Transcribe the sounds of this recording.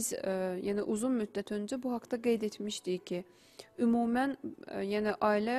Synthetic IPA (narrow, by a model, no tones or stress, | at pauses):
zjæːnɪʔuzunmyd̪ːæt̪ʰønd͡ʒɛbuɦɑkt̪ʰɑɡejd̪et̪miʃt̪icʰi | ymuːmænjæːnɪʔɑːilɛ